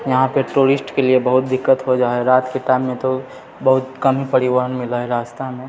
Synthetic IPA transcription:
jɐɦãpəʈuɾɪsʈkeliebɐɦʊt̪̚d̪ɪkːət̪ɦod͡ʒaːɦɛɾaːt̪keʈaɪmːẽt̪o | bɐɦʊt̪kəmipəɾiʋəɦənmɪləɦɛɾaːst̪amẽ

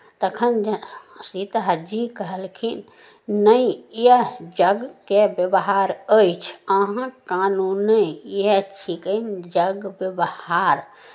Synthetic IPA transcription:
t̪əkʰənsit̪ɦd͡ʒikəɦəlkʰin | nəĩjed͡ʒəɡkebjəbɦaɾəjt͡ʃʰəɦãkanunəet͡ʃʰikənd͡ʒəɡbjəbhaɾ

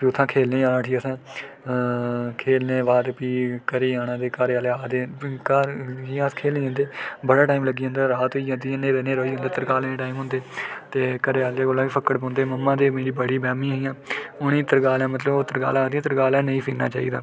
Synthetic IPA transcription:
piːʊt̪ʰːãːkʰeːlnẽːãːnãːʈʰiːəsãː | kʰeːlneːʋaːd̪piːkəɾiːaːñãːd̪eːkaːɾeaːleaːd̪eːkaːiãːskʰeːlnĩːãːnd̪eːbəɽaːʈaːimləɡiːɦə̃nd̪aːɾaːt̪oiːd͡ʒãːnd̪iːnẽːɾɛneːɾoːiːɦʊ̃ːnd̪aːt̪əɾkaːlẽːneːʈaːimɦʊ̃nd̪eːt̪eːkəɾeːaːleːɡoːlːãːpiːpʰəkːəɽbɔ̃ːnd̪eːməmːãːd̪eːmeːɾiːbəɽiːbɛːmĩːɦiːãːʊnĩːt̪əɾɡaːlɛ̃ːmət̪ləboːt̪əɾɡa̰ːlaːd̪iːãːt̪əɾɡaːlɛ̃ːnəĩːpʰiːkna̰ːt͡ʃaːiːd̪a̰ː

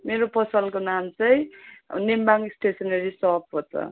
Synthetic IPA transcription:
meɾopʌsʌlkonamt͡sʌj̃nembaŋɡsʈʰesʌnʌɾisʌɦʌb̚pʌt͡sʰʌ̰

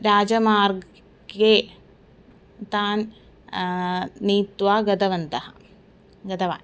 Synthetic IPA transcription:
ɾaːd͡ʒɐmaːɾɡ | ɡeː | t̪aːn | niːt̪ʋaːɡɐd̪ɐʋɐnd̪ɐhɐ | ɡɐd̪ɐʋa̰ː

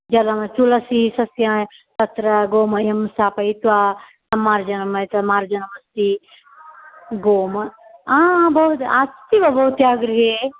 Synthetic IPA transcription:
d͡ʒɐlɐmɐt͡ʃulɐsisɐsjã | t̪ɐt̪ɾɐɡoːmɐjɐmsaːpɐit̪ʋaː | t̪ɐmːaːɾd͡ʒɐnɐmɐt̪ɐmaːɾd͡ʒɐnɐmɐst̪i | ɡoːmɐaːbɐɦut̪aːst̪iʋɐbɐɦut̪jaːɡɾiɦe

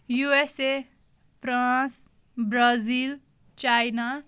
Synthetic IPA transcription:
juese | pʰrãs | bɾazil | t͡ʃajna

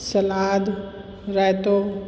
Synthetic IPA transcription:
sɐlaːd̪ | ɾajt̪o

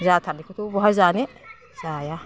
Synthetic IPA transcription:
zaːt̪ʰanːɪkʊt̪ubɔɦazaːnɪ | z̥aːja

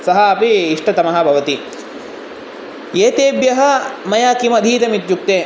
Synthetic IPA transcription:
sɐɦɐːpiːʂʈʰɐt̪ɐmɐɦɐ̆bʱɐʋɐt̪i | eːt̪eːbjɐɦɐ̆mɐjaːkimɐd̪ʱiːt̪ɐmit̪juk̚t̪eː

